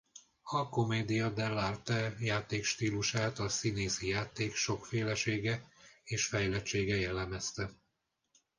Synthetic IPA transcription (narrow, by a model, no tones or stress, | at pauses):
ɒko̞meːd̪ijɒd̪ɛlːart̪ɛjaːt̪eːkʃt̪iːluʃaːt̪ɒsineːsijaːt̪eːkʃo̞kfeːlɛʃeːɡɛeːʃfɛjlɛt͡ʃeːɡɛjɛlːɛmɛst̪ɛ